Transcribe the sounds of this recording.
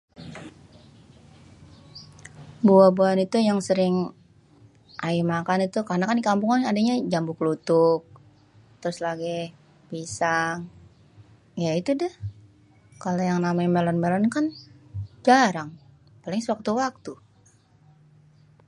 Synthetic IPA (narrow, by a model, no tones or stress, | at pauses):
buabuanit̪ujaŋsəɾɪŋ | ʔaimakanit̪ukarnakandikampuŋanadaɲad͡ʒambʊklut̪ʊk̚ | t̪ɾʊslaɡɛ | bisaŋ | jait̪udəh | kalojaŋnamajmɛlɔnmɛlɔnkan | d͡ʒaɾaŋ | palɪŋsəwak̚t̪uwak̚t̪u